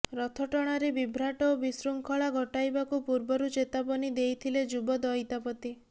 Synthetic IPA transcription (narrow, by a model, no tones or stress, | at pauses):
ɾɔt̪ʰɔʈɔɽ̃aɾebibʱɾaʈɔobisɾuŋkʰɔɭaɡʱɔʈajbakupuɾbɔɾut͡ʃet̪apɔnid̪ejt̪ʰiled͡ʒubɔd̪ɔjt̪apɔt̪i